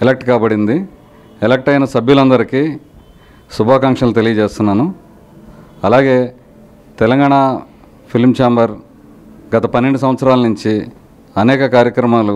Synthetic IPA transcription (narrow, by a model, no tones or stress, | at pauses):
elek̚ʈkaːbɐɽind̪i | ɛlek̚ʈɐjnɐsɐbʱjulɐnd̪ɐɾiki | subʱaːkaŋkʂɐnlut̪elijɐd͡ʒeːst̪unːaːnu | ɐlaːɡe̞ː | t̪ɛlɐŋɡaːɳa | pʰilmt͡ʃaːmbɐɾ | ɡɐt̪ɐpɐnːeɳɖus̬ɐ̃m̃ʋɐt̪sɐɾaːlɐnuɲt͡ʃi | ɐnɛːkɐkaːɾjɐkɾɐmaːlu